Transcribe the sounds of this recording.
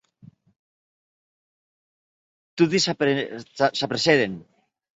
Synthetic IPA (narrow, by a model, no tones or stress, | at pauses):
t̪uðis | sapɾeseðen